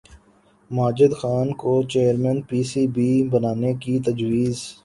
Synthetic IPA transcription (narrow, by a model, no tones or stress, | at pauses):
maːd͡ʒɪd̪xaːnkot͡ʃeːəɾmɛ̃ːnpiːsiːbʱibənaːnekit̪ɐd͡ʒwiːz